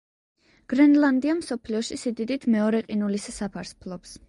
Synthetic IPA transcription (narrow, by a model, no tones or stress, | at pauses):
ɡ̥ɾɛnland̪iamsɔpʰliɔʃisid̪id̪it̪ʰmɛɔɾɛqʼinulissapʰaɾspʰlˠɔps